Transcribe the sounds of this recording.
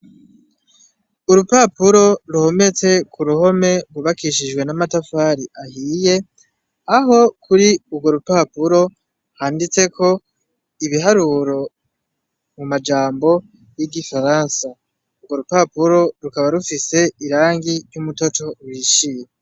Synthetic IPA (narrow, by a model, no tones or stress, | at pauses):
uɾupapuɾo̞ɾuho̞me̞t͡se̞kʰuɾuho̞me̞ɡwuβakiʃid͡ʒɡwe̞namatafaːɾiʔahiːje̞ | aɦo̞kʰuɾiubɡo̞ɾupapuɾo̞ | haːndit͡se̞kʰo̞ | iβiɦaɾuːɾo̞ | mumad͡ʒaːmbo̞ | jiɡifaɾaːnsa | ubɡo̞ɾupapuɾo̞ɾukaβaɾufise̞iɾaːŋɡiɾjumuto̞to̞wiːʃije